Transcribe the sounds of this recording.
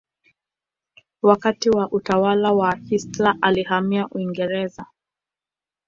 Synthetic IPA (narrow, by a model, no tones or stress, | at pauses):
wakatiwaʔutawalawahistlaʔalihamiaʔuiŋɡɛɾɛza